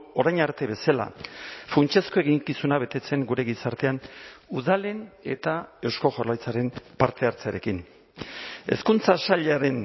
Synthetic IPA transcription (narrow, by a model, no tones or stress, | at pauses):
o̞ɾajɲaɾt̪e̞βe̞sala̰funt͡ʃesko̞e̞ɣiŋkisunaβ̞e̞t̪e̞t͡se̞ŋɡuɾe̞ɣisaɾt̪e̞anuðale̞ne̞t̪ae̞wsko̞ʝorlajt͡saɾe̞mpaɾt̪e̞aɾt͡seaɾe̞kin | e̞̰skunt͡sasaʎaɾe̞n